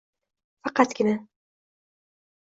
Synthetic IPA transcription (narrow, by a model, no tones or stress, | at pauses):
fɑqɑt̪kɪna